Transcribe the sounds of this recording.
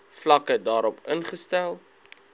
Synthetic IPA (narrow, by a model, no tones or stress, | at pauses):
flɐkədɑːɾɔpənχəstælˠ